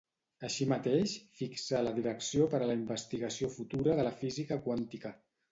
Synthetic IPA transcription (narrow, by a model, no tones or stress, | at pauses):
əʃimət̪eʃfiksaləðiɾəksiopəɾələimbəst̪iɣəsiofut̪uɾəðələfizikəkwant̪ikə